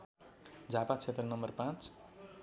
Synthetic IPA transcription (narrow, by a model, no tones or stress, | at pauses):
d͡zʱapat͡sʰet̪rʌnʌmʌrpãt͡s